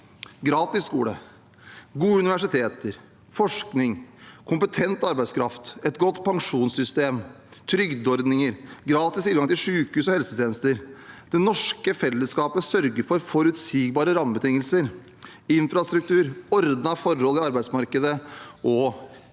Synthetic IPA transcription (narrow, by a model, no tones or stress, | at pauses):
ɡɾɑːt̪ɪsːkṵːlə̰ | ɡuːəʉnɪʋæʂɪt̪ʰeːt̪əɾ | fɔʂknɪŋkʰʊmpət̪ʰɛnt̪ɑɾbæɪskʰɾɑft̪ɛt̪ɡɔt̪ːpʰɑŋʂuːnsʏst̪eːm | t̪ʰɾʏɡd̪ɔɾd̪nɪŋəɾɡɾɑːt̪ɪsiːɡɑŋt̪ɪlʂʉːkʉːsɔhɛlsət̪ʰɪɛːnəst̪əɾd̪̥ɛnɔʂkəfɛlːəskɑːpəsœɾɡəɾfɔɾfɔɾʉt̪siːɡbɑːɾəɾɑmːəbət̪ɪŋːəlsəɾ | ɪnfɾɑst̪ɾʉk̚t̪ʉːɾɔɾd̪nɑfɔɾhɔlːɪɑɾbæɪsmɑɾkəd̪əɔ